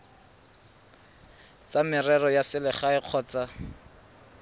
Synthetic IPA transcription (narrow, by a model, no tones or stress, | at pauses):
t͡samɪrɛrɔjasɪlɪχaɪq͡χʰɔːt͡sa